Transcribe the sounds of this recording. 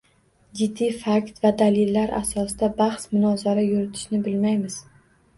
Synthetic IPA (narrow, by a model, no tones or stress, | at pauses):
d͡ʒɪd̪ːifakt̪vad̪alɪlːaɾʔa̰sɒsɪd̪abaχsmʊnɒzaɾajʊɾɪt̪ʰɪ̥ʃnɪbɪlmajmɪz̥